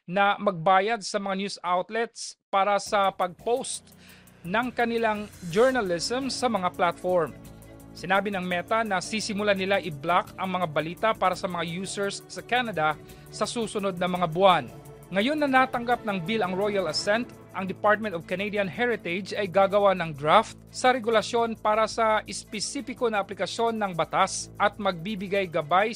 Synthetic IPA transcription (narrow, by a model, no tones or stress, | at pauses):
nɐmɐɡ̚baːjɐd̪̚sɐmɐŋanjusawt̪lɛt̪spaːɾɐsɐpɐɡ̚powst̪ | nɐŋkɐnɪlaŋd͡ʒɛɹnɐlɪsɛmsɐmɐŋaplat̪foɹmsɪnaːbɪnɐŋmɛt̪ɐnɐsisɪmʊlanɪlaʔɪblakɐŋmɐŋabɐliːt̪apaːɾɐsɐmɐŋajuːsɛɹsːɐkanɐd̪ɐ | sɐsuːsʊno̞d̪̚nɐmɐŋabʊan | ŋɐjo̞nːɐnaːt̪ɐŋɡap̚nɐŋbilɐŋɹo̞jɐlɐsɛnt̪ | ʔɐŋd̪ɪpaɹt̪̚mɛ̃nt̪ov̥kɐnejd̪ijɐnhɛɹɪt̪ɛd͡ʒɐjɡaːɡɐwanɐŋd̪ɹaft̪̚sɐɾɛɡʊlɐsjo̞npaːɾɐsɐʔɪspɛsiːfɪko̞nɐʔɐplɪkɐsjo̞nːɐŋbɐt̪asʔɐt̪̚mɐɡ̚bibɪɡajɡɐbaj